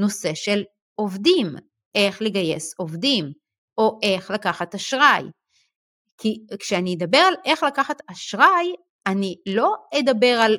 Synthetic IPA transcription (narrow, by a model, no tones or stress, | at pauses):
no̞se̞ʃel | ʔo̞vdim | ʔe̞χleɡaje̞so̞vdim | o̞ʔe̞χlakaχat̪aʃʁaj | kʰikʃeanied̪abe̞ʁale̞χlakaχat̪aʃʁaj | anilo̞ed̪abe̞ʁal